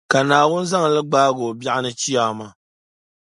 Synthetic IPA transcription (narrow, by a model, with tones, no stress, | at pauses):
ka˨naː˨wʊ˦n˦za˦ŋ˨lɨ˦ɡ͡baː˦ɡo˨bja˦ʔɪ˦nɨ˦t͡ʃi˦aː˨ma˦˨